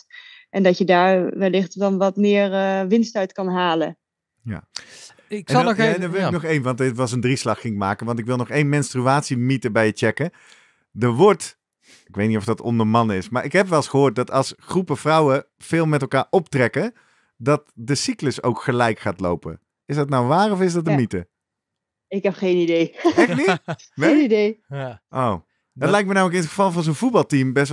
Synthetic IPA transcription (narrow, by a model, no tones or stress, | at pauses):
ʔɛndɑtjədaːɹʋɛlɪχtdɑnʋɑtmɪːɹʋɪnstœɥtkɑnɦaːlə | ja̰ː | ɪɛdndɔʋɪlˠɪknɔχejnʋɑntɪtʋɑs̬əndrislɑχːɪŋɪkmaːkənʋɑntɪkʋɪlˠnɔχejnmɛnstryaːtsimitəbɛjət͡ʃɛkə | dəɹʋɔɹt | ɪkʋejtnitɔfdɑtɔ̰ndəɹmɑnɪsmaːɹʔɪkɦɛpʋɛlˠsχəɦoːt̚dɑtɑlˠsχrupəfrʌwə | fɪːlˠmɛtɛlˠkaːɹɔptrɛkə | dɑtdəsikləso̰wkχəlɛjkχaːtlo̰wpə̰ | ɪsdɑtnawʋaːrɔfɪzdɑt̚əmitə | ɪkɦɛpχejnidejɛnimɛidejʔow | dtlɛjk̚mənawələkɪnətχəvɑlˠvɑnzownvut̚bɑlˠtimbɛs